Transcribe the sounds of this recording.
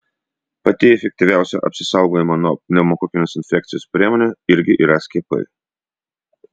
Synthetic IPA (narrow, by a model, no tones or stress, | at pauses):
pɐt̪ʲɪɛfʲɛk̚t̪ʲɪʋʲæˑʊsʲɛʔɐ̰pʲsʲɪ̥sɐˑʊɡoːjɪmɐnuɔnʲɛmokokʲɪnʲosɪnʲfʲɛk̚t̪sɪjoːspʲɾʲiɛmonʲoɪɾʲɡʲɪʔiːɾɐsʲkʲiɛpɐ̰ɪ